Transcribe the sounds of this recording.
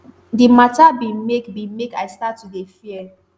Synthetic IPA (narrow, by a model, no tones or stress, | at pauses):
dimatabimekbĩmekaɪstatːudefiɛ